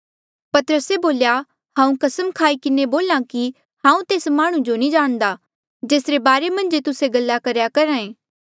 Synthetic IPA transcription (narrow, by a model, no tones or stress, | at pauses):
pɐt̪əɾəseboːlja | hãːũkɐsəmkʰaːikɪneboːlãki | hãːũt̪eːsmaːɽ̃ũd͡ʒonĩd͡ʒaːɽ̃d̪a | d͡ʒeːsɾebaːɾemɐ̃nd͡ʒet̪ʊseɡɐlːakɐɾjakɐɾaːẽː